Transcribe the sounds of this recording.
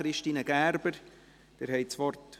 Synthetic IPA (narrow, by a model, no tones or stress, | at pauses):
ɾɪʃtiːnəɡ̥æːɾb̥əɾ | d̪̥eːɾhɛɪt͡sʋɔrt